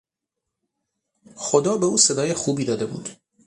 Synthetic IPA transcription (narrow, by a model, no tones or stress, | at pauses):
xod̪ɒːbe̞uːse̞d̪ɒːjexuːbiːd̪ɒːd̪e̞bṵːd̪̥